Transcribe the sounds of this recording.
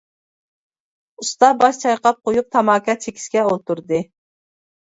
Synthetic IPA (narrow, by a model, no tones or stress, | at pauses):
ust̪ɑbɑʃt͡ʃʰɑjqɑp̚qʰojup̚t̪ʰɑmɑːkʰʲɑt͡ʃʰekʲi̥skʲɛolˠt̪uɾd̪ɨ